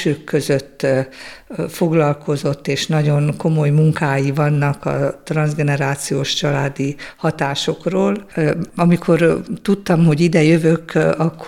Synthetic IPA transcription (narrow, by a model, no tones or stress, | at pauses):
øːkːø̞zøt̪ː | foɡlɒlko̞zo̞t̪ːeːʃnɒɟo̞nko̞mo̞jmuŋkaːjivɒnːɒkɒ̰t̪rɒnzɡɛnɛɾaːt̪sijoːʃt͡ʃɒlaːd̪ihɒt̪aːʃo̞kroːlɒmikʰo̞rt̪ut̪ːɒmho̞ɟid̪ɛjøvøkɒkː